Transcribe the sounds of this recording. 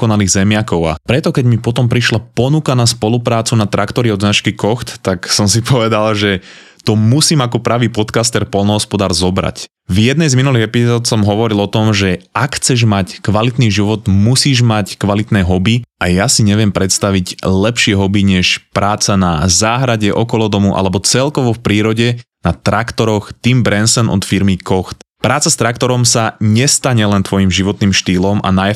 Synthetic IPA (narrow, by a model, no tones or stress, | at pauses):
kɔnaliːɣzɛmɪakɔʊa̰pɾɛt̪ɔkɛɟmipɔt̪ɔmpɾiʃlapɔnukanaspɔlupɾaːt͡sunat̪ɾʔakt̪ɔɾiɔd̪znat͡ʃkikɔxt̪ːaksɔmsipʰɔʋɛd̪alʒɛ | t̪ɔmusiːmakɔpɾaʋiːpɔt̪kast̪ɛɾpɔlnɔɦɔspɔd̪aːɾzɔbɾa̰c | vjɛd̪nɛjzminuliːɣɛpizɔːt̪sɔmɦɔʋɔɾilɔt̪ɔmʒɛʔakxt͡sɛʒmackʋalit̪niːʒiʋɔt̪musiːʒmackʋalit̪nɛːɦɔbiajasiɲɛʋɪɛmpɾɛt̪st̪aʋiɟlɛpʃɪɛɦɔbiɲɛʃpɾʔaːt͡sanazaːɦɾaɟɛʔɔkɔlɔd̪ɔmuʔa̰lɛbɔt͡sɛlkɔʋɔfpɾiːɾɔɟɛnat̪ɾakt̪ɔɾɔxt̪imbɾɛnsɛnʔɔ̰t̪fiɾmikɔxt̪pɾaːt͡sast̪ɾak̚t̪ɔɾɔmsaɲɛst̪aɲɛlɛnt̪ʋɔjimʒiʋɔt̪niːmʃt̪iːlɔma̰naj